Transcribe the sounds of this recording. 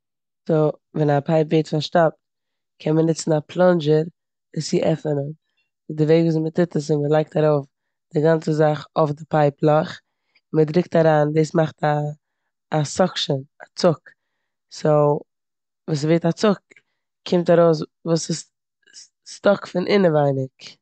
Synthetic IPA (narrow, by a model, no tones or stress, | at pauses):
sovɛnapʰaɪpveɪtfaʃtap̚t | kʰɛnmənɪt͡sn̩apʰlˠɔnd͡ʒəɾ | ɪsiʔɛfənən | ɪdɪveɪɡvuːsmətɪtəs̬ɪnməlˠaɪk̚taɾoʊf | d̥ɪɡant͡səzaχofdɪpaɪplˠɔχ | ɪnmədɾɪk̚taɾaːndeːsmaχtaː | sɔkʃənat͡sʊk | so | vuːs̬veɪtat͡sʊk̚ | kʰːɪmtaɾoʊs̬vuːsɪs | stɔkfɪnʔɪnəvaɪnɪk